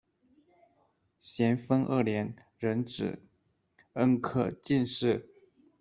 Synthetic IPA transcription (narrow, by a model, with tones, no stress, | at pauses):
ɕjɛ˧˥nfə˥ŋʔə̰˥˩ljɛ˧˥n | ɻə˧˥nʈ͡ʂɻ̩̰˨˩ | ə˥nkʰɤ˥˩t͡ɕi˥˧nʂɻ̩˥˩